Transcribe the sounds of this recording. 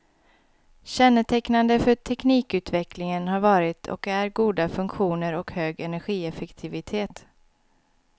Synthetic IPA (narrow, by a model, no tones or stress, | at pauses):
ɕɛnːət̪ʰɛknand̪əfœʈʰɛkniːkʉ̟ːt̪vɛkʰlɪŋənhaɾvɑːɾɪt̪ʰɔ̰kæɾɡuːd̪afɵŋkɧuːnəɾɔkhøːɡɛnæɾɧiːɛfɛkt̪ʰɪvɪt̪ʰeːt̪